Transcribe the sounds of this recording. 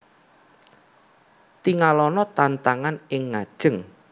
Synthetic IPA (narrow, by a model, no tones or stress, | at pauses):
t̪iŋalɔnɔt̪ant̪aŋanɪŋːad̥ʒ̥əŋ